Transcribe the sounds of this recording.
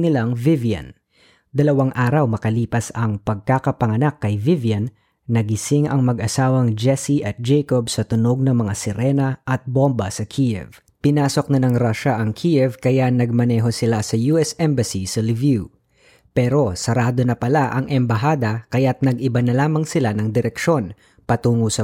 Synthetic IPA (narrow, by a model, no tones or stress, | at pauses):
nɪlaŋvɪvjɐ̰n | d̪ɐlɐwaŋʔaːɾɐwmɐkɐliːpɐsɐŋpɐɡ̚kakɐpɐŋɐnakːɐjvɪvjɐnː | ɐɡɪsɪŋɐŋmɐɡʔɐsaːwɐŋd͡ʒɛsiʔɐt̪̚d͡ʒɛjkobsɐt̪ʊnoɡ̚nɐŋmɐŋasɪɾɛnɐʔɐt̪̚bombɐsɐkʰiʔɛ̰v | pɪnaːso̞k̚nɐnɐŋɾaʃaʔɐŋkʰiʔɛvkɐjanɐɡ̚mɐnɛːɦo̞sɪlasɐjuːɛsʔɛmbɐsisɐɾɪvju | pɛɾo̞sɐɾaːd̪o̞nɐpɐlaʔɐŋʔɛmbɐɦaːd̪ɐkɐjat̪̚nɐɡɪbanɐlaːmɐŋsɪlanɐŋd̪ɪɾɛkʃo̞n | pɐt̪uːŋosɐ